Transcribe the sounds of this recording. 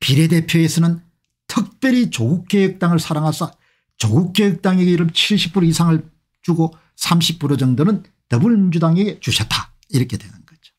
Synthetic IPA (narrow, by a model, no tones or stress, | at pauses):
piɾe̞de̞pʰjoesʰʌnɯn | tʰɯk̚p͈jeɾit͡ɕoɡuk͈̚ejɯk̚t͈aŋɯɭsʰaɾaŋɦasʰʌ | t͡ɕoɡuk͈ːejɯk̚t͈aŋeɡeiɾɯmt͡ɕʰiɭɕʰip̚p͈uɾoisʰaŋɯɭ | t͡ɕuɡo | sʰamɕʰip̚p͈uɾod͡ʑʌŋdonɯn | tʌbuɭmind͡ʑudaŋeɡe̞t͡ɕuɕʰʌt͈a | iɾʌkʰe̞dwenɯnɡ̥ʌd͡ʑo̥